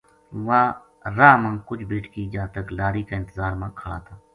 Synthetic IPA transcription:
ʋaː | ɾaːmə̃ŋkʊt͡ʃʰbiːʈʰkid͡ʒaːt̪əklaːɾiːkaɪ̃nt̪əzaːɾmãːkʰəɽa̰ːt̪ʰaː

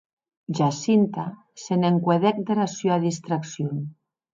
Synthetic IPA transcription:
ʒasint̪a | seneŋkweðɛk̚d̪eɾasoaðist̪ɾaksjon

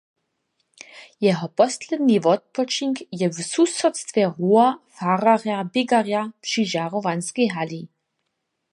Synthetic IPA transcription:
jɛɦɔpɔslɛd̪nivɔt̪̚pɔt͡ʃiŋkjɛvsusɔt̪st̪vʲjɛʁuafararjabɪɡarjapʂiʒarɔvanskɛjɦali

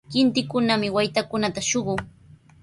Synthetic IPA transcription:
kɪnt̪ɪkʊnamɪwajt̪akʊnat̪aʃoɢʊŋ

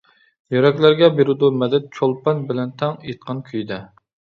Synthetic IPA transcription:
jøɾɛkʲlæɾɡʲɛbeɾɪd̪umɛd̪ɛt̪̚t͡ʃʰolˠpɑnbɪlɛnt̪ʰɛŋet̪̚qʰɑnkʲʰyjd̪ɛ

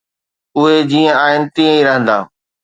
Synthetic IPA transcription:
ʊɦed͡ʑiːə̃aːɦɪnɪ̆t̪ĩːə̃ĩɾəɦə̃nd̪a̰ː

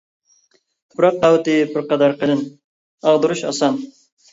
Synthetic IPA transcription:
t̪ʰʊ̥pɾɑqːɑwt̪ɨbɪɾqɑd̪ɑɾqəlɨn | ɑʁd̪uɾuʃɑ̰sɑn

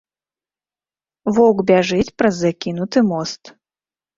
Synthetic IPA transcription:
vɔwɡbʲaʐɨt͡sʲpɾɐzːakʲin̪ut̪ɨmɔst̪

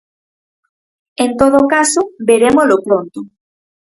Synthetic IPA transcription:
ent̪oðokasobeɾemolopɾont̪o

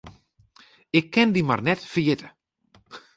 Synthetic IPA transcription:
ɪkʰːɪndima̰rnɛtfərjɪtə

